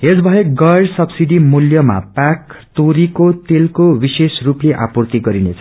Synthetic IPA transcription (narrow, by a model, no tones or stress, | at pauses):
ɦesbʱʌjeɡʌjɖsʌbsiɖimuljʌma̰pakt̪oɾikot̪elkowisesrupleʔa̰purt̪iɡʌɾinet͡sʰʌ